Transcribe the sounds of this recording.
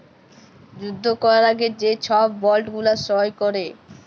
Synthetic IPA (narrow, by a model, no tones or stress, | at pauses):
d͡ʑud̪ʱːokɔɾaɾaɡed͡ʑet͡ɕʰɔbːɔlʈɡulaʃɔjkoɾe